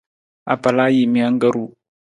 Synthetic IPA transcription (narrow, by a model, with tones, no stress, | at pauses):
a̰˨pa˨la˦ji˨mi˨a˦ŋɡa˦ɾu˦